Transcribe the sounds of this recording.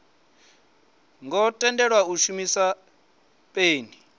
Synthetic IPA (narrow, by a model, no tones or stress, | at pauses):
ŋɡɔtʼɛndɛɺwauʃumisa | pʼeːni